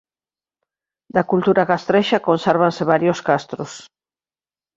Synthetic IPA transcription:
d̪akult̪uɾaɣast̪ɾeʃakonsɛɾβ̞anseβ̞aɾjoskast̪ɾos

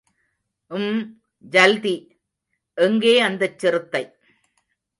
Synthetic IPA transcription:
ʔɯm | d͡ʒɐld̪i | ʔɛŋɡeːɐnd̪ɐt͡ʃːɪɾɯt̪ːɐɪ

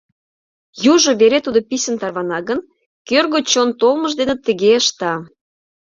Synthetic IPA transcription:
juʒŏβeɾet̪ud̪opisʲə̆nt̪ɑrβɑnɑɣən | kørɣot͡ɕont̪olˠməʒd̪enə̆t̪ə̆ɣeəʃt̪ɑ

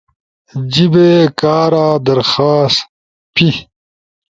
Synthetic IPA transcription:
d͡ʑibekaːɾaːd̪ɐɾxaːst̪ | pi

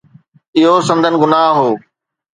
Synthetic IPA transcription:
ɪɦosɐ̃nd̪ʱənɪ̆ɡʊnaːɦɦoː

